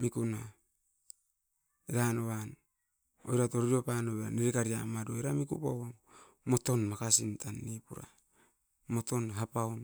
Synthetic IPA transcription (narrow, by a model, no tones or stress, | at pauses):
mikuna | iɾanoβan | o̰jɾato̞ɾɾiopanoβea̰niɾikaɾia̰madojɾamikupawaŋ | mo̞to̞nmakasintanːipuɾa̰ | mo̞to̞nɦapaon